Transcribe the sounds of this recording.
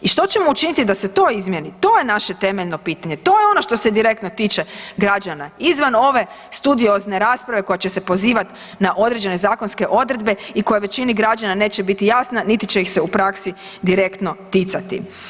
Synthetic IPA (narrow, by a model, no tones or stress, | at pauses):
iʃt̪o̞t͡ɕe̞mo̞ut͡ʃinit̪id̪aset̪o̞izmʲje̞nit̪o̞jenaʃe̞t̪e̞me̞ʎno̞piːt̪aɲe̞t̪o̞jeo̞no̞ʃt̪o̞sed̪iɾe̞k̚t̪no̞t̪iːt͡ʃe̞ɡɾad͡ʑanaizʋano̞ʋe̞ | st̪ud̪io̞zne̞ɾaːspɾaʋe̞ko̞jat͡ɕesepo̞ziːʋat̪ | naʔo̞d̪ɾe̞d͡ʑe̞ne̞zaːko̞nske̞ʔo̞d̪ɾe̞d̪̚be̞iko̞jeʋe̞t͡ɕiniɡɾad͡ʒanane̞ːt͡ɕebit̪ijasnanit̪it͡ɕe̞jixse̞upɾaksi | d̪iɾe̞kt̪no̞t̪it̪sat̪ḭ